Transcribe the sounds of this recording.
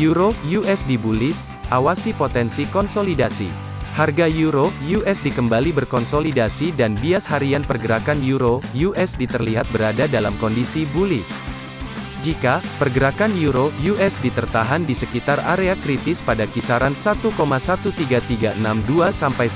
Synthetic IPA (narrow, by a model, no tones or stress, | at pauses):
juɾojuʔɛsdibulɪs | ʔawasipot̪ɛnsikɔnsolidasḭ | harɡajuɾojuʔɛsdikəmbalibərkɔnsolidasidanbiashaɾianpərɡəɾakanjuɾojuʔɛsdit̪ərliɦat̪̚bəɾadadalamkɔndisibulɪs | d͡ʒikapərɡəɾakanjuɾojuʔɛsdit̪ərt̪aɦandisəkit̪araɾeakɾit̪ɪspadakisaɾansat̪ukomasat̪ut̪iɡat̪iɡaʔənamduasampaj